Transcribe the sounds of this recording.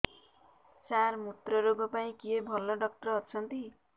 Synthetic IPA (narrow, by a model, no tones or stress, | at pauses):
sarmut̪rʌɾoɡʌpaĩkiebʱʌlːʌɖʌk̚ʈrʌɦʌt͡sʰʌnt̪i